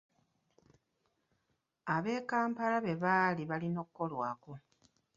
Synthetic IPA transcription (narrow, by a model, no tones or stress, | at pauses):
aβe̞ːkaːmpalaβe̞βaːliβalino̞ːkukːo̞lwaːko̞